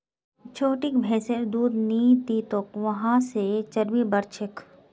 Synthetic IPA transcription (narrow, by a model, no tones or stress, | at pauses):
t͡ʃʰoːʈɪkbʱɛːseɾd̪uːɾniːt̪it̪okʋɐɦãset͡ʃɐɾmibɐɾt͡ʃʰɪk